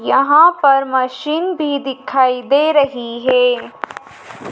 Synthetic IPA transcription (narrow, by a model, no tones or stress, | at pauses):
jɐɦãpɐɾmɐʃiːnbʱid̪ɪkʰːaːid̪eːɾɐɦiɦɛː